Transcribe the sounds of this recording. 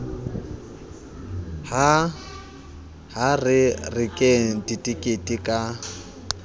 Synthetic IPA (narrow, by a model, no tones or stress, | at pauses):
ha | ɦarɪrɪkʼeditʼikʼetʼikʼa